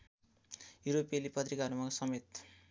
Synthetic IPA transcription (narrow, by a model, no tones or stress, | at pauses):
juɾopelipʌt̪rikaɦʌɾumasʌmet̪